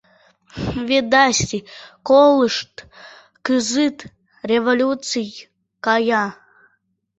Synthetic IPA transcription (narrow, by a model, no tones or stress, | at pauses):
βʲet̪̚d̪ɑsʲt̪ʲikoləʃt̪ | kɨzɨt̪ | rʲevolʲut͡sɨj | kɑjɑ